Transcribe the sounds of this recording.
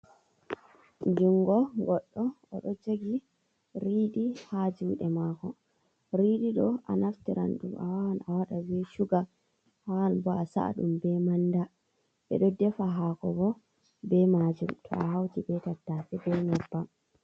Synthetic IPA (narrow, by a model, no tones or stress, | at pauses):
d͡ʒuŋɡɔɡɔɗːɔɔɗɔd͡ʒoɡi | ɾiːɗihad͡ʒuwɗɛmakɔ | ɾiɗiɗɔʔa̰naftiɾa̰nɗuma̰wahanawaɗabɛʃuɡa | hanbɔasa̰a̰ɗumbɛmanda | ɓɛ̰ɗɔdɛfaɦaːkɔbɔ | bɛmad͡ʒumtʰɔ̰aɦawtibɛtatːafɛbɛɲɛbːam